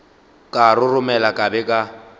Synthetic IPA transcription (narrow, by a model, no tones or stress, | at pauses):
kʼarʊrʊmɛlakʼabɛkʼa